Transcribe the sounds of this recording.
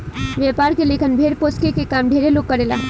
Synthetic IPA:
ʋjepaːɾkelekʰənbʱeːɾpoːskekekaːmɖʱeːɾeloːkːəɾeːla̰ː

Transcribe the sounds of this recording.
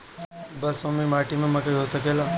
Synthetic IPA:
bəsomimaːʈimẽmə̃kəiɦosəkela

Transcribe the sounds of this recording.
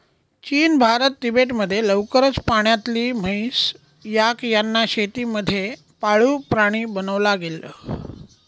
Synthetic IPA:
t͡ɕiːnbʱaɾət̪̚ːibeʈməd̪ʱːjeləʋkəɾət͡spaɳ̃jat̪liːm̤əis | jakjanːaɕet̪iːməd̪ʱːje | paɭuːpɾaɽ̃iːbənəʋlaɡelə̰

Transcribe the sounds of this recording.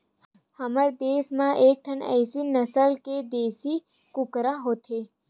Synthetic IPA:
həməɾd̪esmãʔek̚ʈʰənɛ̰sinəsəlked̪esi | kukɾaɦot̪ʰe

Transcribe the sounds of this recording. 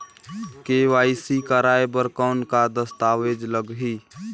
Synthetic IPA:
keʋaisikəɾaebəɾkəʊnkad̪əst̪aʋed͡ʒləɡɦi

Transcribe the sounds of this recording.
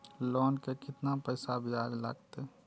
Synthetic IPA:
lɔːnkekɪt̪napəɪsabʱiaːd͡ʒla̰ːɡ̚t̪e

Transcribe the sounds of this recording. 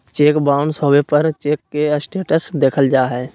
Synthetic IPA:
t͡ʃeːkbaːʊɳsoːʋepəɾt͡ʃeːkːesʈeːʈəsd̪eːkʰəld͡ʒaːɦɛː

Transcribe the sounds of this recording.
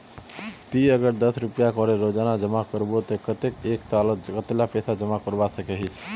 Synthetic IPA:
t̪iəɡəɾd̪əsɾupijakɔɾeɾod͡ʒanad͡ʒəmakəɾbot̪ɔkət̪ekeksaləkət̪lapɛsʰad͡ʒəmakəɾbasəkɛɦit͡ʃʰ

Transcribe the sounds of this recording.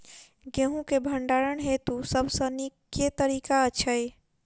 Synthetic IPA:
ɡẽɦũkebʱəɳɖaɾəɳɦet̪usəbʱsə̃nikːet̪əɾikaət͡ʃʰəj

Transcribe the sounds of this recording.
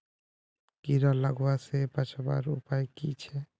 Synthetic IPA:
kiɾaləɡwasepat͡ʃʰba̰ɾupajkit͡ʃʰɛ

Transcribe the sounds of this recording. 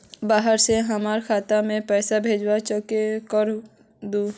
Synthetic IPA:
baːɦəɾseɦəmaːɾkʰaːt̪amẽpɛːsabʱeːd͡ʒwat͡ʃɔkekəɾ | d̪uː

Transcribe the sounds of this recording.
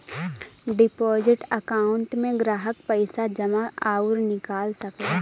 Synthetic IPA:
ɖɪpɔːzɪʈəkaːʊɳʈmẽɡɾaːɦəkpəɪsad͡ʒɐmaaːʊɾnɪkaːlsɐka

